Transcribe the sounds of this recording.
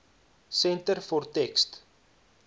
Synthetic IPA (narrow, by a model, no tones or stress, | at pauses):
sɛntərfɔrtɛkst